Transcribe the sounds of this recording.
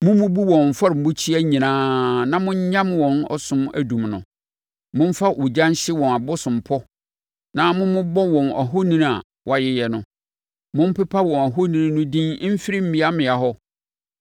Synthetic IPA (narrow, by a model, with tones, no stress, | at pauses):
mʊ̃˦mʊ̃˦bu˦wɔ̃˨m̩˨fɔ˦ɾɪ˨m̩˨bʊ̃˦t͡ɕʰi˦æ˦ɲĩ˨nãː˦nã˦mʊ̃˦ɲ̩˦ɲã˦mwɔ̃˨nɔ̰˨sʊ̃˦mæ̰˦dũ˨mnʊ̰̃˨ | mʊ̃˦m̩˦fa˦ʔu˨d͡ʑã˦n˦ɕɪ˦wɔ̃˨na˨bʊ˦sʊ̃˨m˨pʰɔ˦ | nã˦mʊ̃˦mʊ̃˦bɔ˦wɔ̃˨na̰˨ɦo˦nĩ˦n˨a̰˨ | wɔ˦a˨jɪ˦jɛ˨nʊ̰̃˨ | mʊ̃˦m̩˦pɛ˦pʰa˦wɔ̃˨na˨ɦo˦nĩ˨nĩ˦nʊ̃˦dĩ˦n̩˦fi˦ɾi˦m̩˦mĩ˦a˦mɪ̃˨a˨ɦɔ˦